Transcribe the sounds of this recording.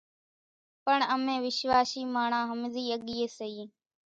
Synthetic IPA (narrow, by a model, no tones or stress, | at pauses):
pəɳəmẽːʋɪʃʋaːʃiːmaːɳãːɦəmziːəɠiːeːsəiː